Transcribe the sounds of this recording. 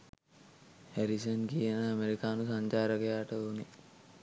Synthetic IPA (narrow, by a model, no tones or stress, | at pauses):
hæɾisonkijənəameɾikaːnusaɲt͡ʃaːɾəkejaːʈəoːne